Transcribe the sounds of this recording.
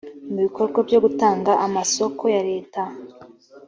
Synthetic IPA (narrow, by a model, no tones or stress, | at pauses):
muβiko̞ɾɡwabjo̞ɡutaːŋɡaʔamaso̞kʰo̞jaɾe̞ːta